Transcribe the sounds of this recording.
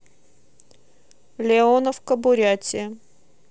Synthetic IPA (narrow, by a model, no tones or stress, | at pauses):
lʲɪonəfkəbʊɾʲatʲɪ